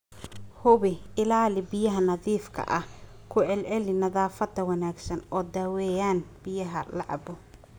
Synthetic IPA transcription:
hʊβɪɪlaːlɪbɪjɐɦɐnɐðiːfkʰɐ̰ʔɐh | kʰʊʕɛlʕɛlɪnɐðaːfɐd̪ɐwɐnaːɡsɐnɔːd̪aːwɛjaːnbɪjɐɦɐlɑʕɑ̰bʊ

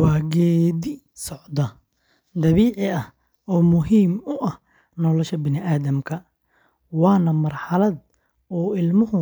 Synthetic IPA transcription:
wɑːɡɛːd̪ɪ | sɔʕd̪ɐ | d̪ɐβiːʕɪɐh | ɔːmʊɦiːmʊʔɐh | nɔːlɐʃɐbɪnɪʔaːðɐmkʰɐ | wɑːnɐmɐrħɑlɐd̪̚ | ɔːɪlmʊɦʊ

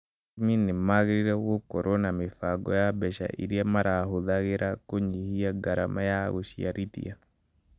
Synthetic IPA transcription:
minemaɣɾiɾɛwokɔɾʔonamefaɡɔ̰jabɛʃa̰ʔḭɾjamaɾʔaɦoðaɣeɾʔakoɲihiaɡaɾa̰majaɣoʃḭa̰ɾitḭa

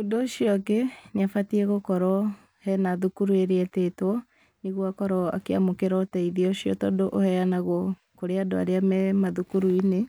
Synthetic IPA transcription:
ondoːɕiɔkenafatiɛɣokɔɾɔ | hɛnaðukuɾueɾeɛtetwɔ | niɣwakɔɾɔa̰keamokeɾɔtɛiðiɔɕiɔ̰tɔdoʔohɛanaɣɔ | koɾeadoa̰ɾeamɛmaðukuɾuine

